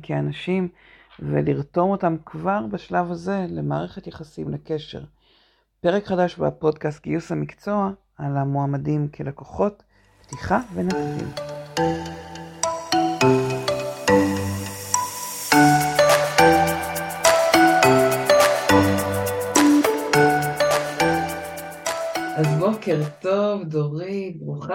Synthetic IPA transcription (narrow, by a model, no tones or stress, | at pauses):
kʰeanaʃim | vḛliʁto̞mo̞tamkvaʁbaʃlavhaze̞lemaːʁe̞χe̞t̪jeχasimleke̞ʃe̞̰ʁ | pe̞ʁe̞kχadaʃba̰po̞dkast̚ɡiusamikt͡so̞a | ʔalamoamadimkʰelakoχo̞t | btiχavenatnḭm | azbokeʁt̪ovdoʁibʁuχa